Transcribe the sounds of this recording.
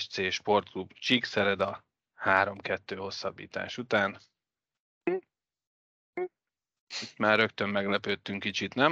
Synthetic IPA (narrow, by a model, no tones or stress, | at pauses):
ʃt̪seːʃpo̞rt̪̚klubt͡ʃiksɛɾɛd̪ɒ | haːɾo̞mkɛt̪ːøːho̞sːɒbːḭːt̪a̰ːʃut̪aːn | it̪maːrrø̞kt̪ø̞mːɛɡlɛpøːt̪ːyŋkːit͡ʃit̪nɛm